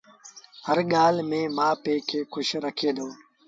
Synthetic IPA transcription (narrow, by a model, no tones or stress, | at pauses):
həɾɠaːlmẽːmãːpeːkʰeːkʰʊʃɾəkʰeːd̪oː